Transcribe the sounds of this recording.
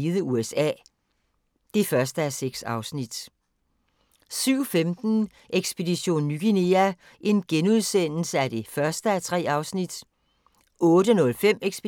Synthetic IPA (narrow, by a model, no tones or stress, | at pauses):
iðˠəuesɛ̰ː | d̥e̝fɶɐsd̥əæseɡ̥sɑ̈ʊsnid̥ | syʊ̰femd̥n̩ | ʔeɡ̥sb̥e̝diɕo̝̰ːnːyɡ̥ine̝æ | ʔe̝nɡ̥enuð̞ˠsen̰l̩səæd̥e̝fɶɐsd̥əæt͡sʰʁɛ̰ːɑ̈ʊsnid̥ | ɔ̽ːɾənɔ̽lfem̰eɡ̥sb̥